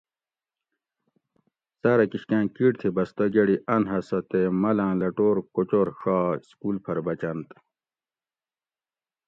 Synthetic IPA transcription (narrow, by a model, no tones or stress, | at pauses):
sɐɾɐkiɕkãːkiɽt̪ʰibɐst̪ɐɡeɽiʔɐnɦɐsɐt̪emɐlãːlɐʈoːɾkot͡ɕoɾɕaːskuːlpʰɐɾbɐt͡ɕɐnt̪